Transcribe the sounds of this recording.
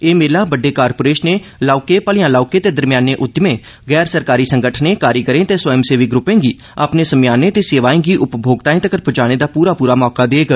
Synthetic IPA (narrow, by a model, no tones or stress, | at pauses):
eːmeːlaːbəɖːeːkaːɾpoːɾeːʃneːlaːʊkeːpəlɪjãːlaːkeːt̪eːd̪əɾmɪjaːnẽːʔʊt̪ːɪmẽː | ɣɛːɾsəɾkaːɾiːsəŋɡəʈʰnẽːkaːɾiːkəɾẽːt̪eːswəjəmseːʋɪk̚ɡɾʊpːẽːɡiː | a̰ːpneːsəmjaːneːt̪eːseːʋaːẽːɡiːʔʊpbʱoːɡt̪aːẽːt̪əkəɾpʰʊt͡ʃaːɽ̃eːd̪aːpuːɾaːpuːɾaːmɔːkaːd̪eːɡ